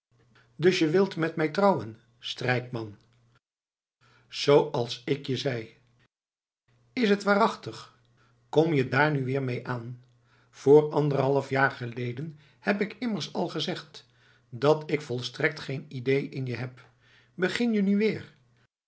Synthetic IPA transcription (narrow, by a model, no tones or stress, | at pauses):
dɵsjəʋɪlˠtmɛtmɛjtrɑwən | strɛjkmɑn | z̥owɑlˠsɪkjəzɛj | ɪsɦətʋaːrɑχtəχ | kɔmjədaːɹnyʋɪːɹmejʔaːn | v̥ʊːɹɑndərəɦɑlˠəfjaːɹχəlejdən | hɛpɪkɪməɹsɑlˠχəzɛχt | dɑtɪkfɔlˠstrɛk̚tχejnidejʔɪnjəɦɛp | bəχɪnjənyʋɪːɹ